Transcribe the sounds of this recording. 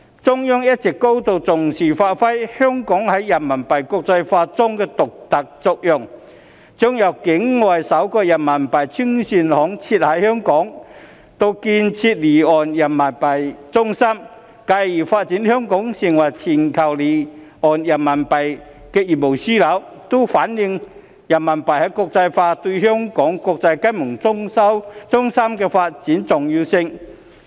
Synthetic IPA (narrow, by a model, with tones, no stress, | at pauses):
t͡sʊ˥ŋjɔ˥ŋjɐ˥t̚t͡sɛ˨˩kːo˥wt̪o˨wt͡sʊ˨˩ŋsiː˨˩faː˧t̚fɐ˥jhœː˥ŋkɔː˨˥ŋhɐ˨˥jjɐ˨˩nmɐ˨˩npɐ˨˩jkʊ˧k̚t͡sɐ˧jfaː˧t͡sʊ˥ŋkɛː˧t̪ʊ˨k̚t̪ɐ˨k̚t͡sɔ˧k̚jʊ˨˩ŋ | t͡sʊ˥ŋjɐ˨˧˩wkɪ˨˥ŋːɔː˨˩jsɐ˨˥wkɔː˧jɐ˨˩nmɐ˨˩npɐ˨˩jt͡sʰy˥ŋsi˧nhɔː˨˥ŋt͡sʰiː˧t̚hɐ˨˥jhœ˥ŋkɔː˨˥ŋ | t̪o˧wkiː˧nt͡sʰiː˧t̚liː˨˩ɔː˨njɐ˨˩nmɐ˨˩npɐ˨˩jt͡sʊ˥ŋsɐ˥m | ka˧jiː˨˩faː˧t̚t͡siː˨˥nhœː˥ŋkɔ˨˥ŋsɪ˨˩ŋwɐ˨˩jt͡sʰiː˨˩nkʰɐ˨˩wliː˨˩ɔː˨˩njɐ˨˩nmɐ˨˩npɐ˨j | kɛ˧jiː˨˩mo˨˩wsiː˥lɐ˨˥w | t̪o˥faː˨˥njɪ˧ŋ | jɐ˨˩nmɐ˨˩npɐ˨jhɐ˨˥jkɔː˧k̚t͡sɐ˧jfaː˧t̪ɵ˧jɦœː˥ŋkɔː˨˥ŋkɔː˧k̚t͡sɐ˧jkɐ˥jmʊ˨˩ŋ˥wt͡sʊ˥ŋsɐ˥mkɛː˧faː˧t̚t͡siː˨˥nt͡sʊ˨˩ŋjiː˧wsɪ˧ŋ